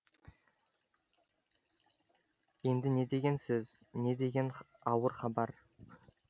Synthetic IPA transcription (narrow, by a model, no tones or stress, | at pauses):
je̞nd̪ɪne̞d̪e̞ɡʲe̞nsɵzne̞d̪e̞ɡʲe̞n | ɑwəɾχɑbɑɾ